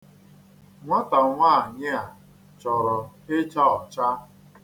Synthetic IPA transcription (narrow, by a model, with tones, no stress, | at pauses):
ŋʷa˦ta˨ŋʷa˦˨ɲɪ˦a˨ | t͡ʃɔ˨ɾɔ˨e˦t͡ʃa˦ɔ˨t͡ʃa˦